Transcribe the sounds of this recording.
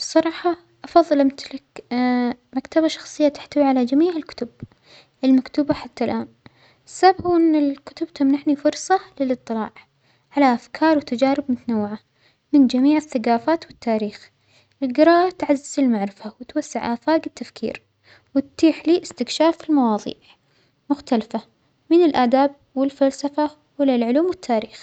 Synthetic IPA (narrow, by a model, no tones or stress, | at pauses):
b̥sˤɑɾˤɑːħɑ | ʔɑfɑðˤːɨlmɪθlak | makt̪abaʃɑ̥xsˤɨjːat̪ɪ̥ħt̪awiʕalad͡ʒamiːʕɪlkʊ̥t̪ʊb | ʔɪlmakt̪uːbaħat̪ːalʔaːn | ɪsːabhuːʔɪnːɪlkʊ̥t̪ʊbt̪amnaħnifʊɾˤsˤɑlɪlɨt̪ˤːɨlɑ̰ːʕ | ʕalaʔafkʰɑːɾˤwɪt̪ad͡ʒaːɾɪbmʊt̪anawːɪʕa | mɪnd͡ʒamiːʕɪθːaɡaːfaːt̪wɪt̪ʰːaːɾiːx | ʔɪlɡɪɾˤɑːʔat̪ʕazːɪzɪlmaʕɾɪfawɪt̪wasːɪʕʔaːfaːɡɪt̪ːafkḭːɾ | wɪt̪t̪iːħliːʔɪst̪ɪkʃaːfɪlmɑwɑːðˤḭːʕ | mʊxt̪alafa | mɪnɪlʔaːd̪aːb̚wɪlfalsafa | wɪlːalʕʊluːmwɪt̪ʰːaːɾiːx